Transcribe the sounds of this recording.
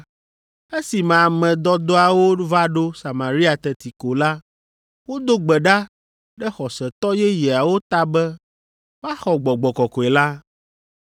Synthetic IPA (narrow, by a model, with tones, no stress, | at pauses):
e˦si˨mã˨mɛ̃˨d̪ɔ˦d̪ɔ˦a˨wo˦va˦ɖo˦sa˨ma˨ɾi˦a˨t̪ɛ˨t̪i˨ko˨la˦ | wo˦d̪o˦ɡ͡bɛ˨ɖa˦ | ɖɛ˦xɔ˨sɛ˨t̪ɔ˦jɛ˦jɛ˨a˨wo˦t̪a˦bɛ˦ | va˦xɔ˨ɡ͡bɔ˨ɡ͡bɔ˨kɔ˨kɔ˨ɛ˨la˦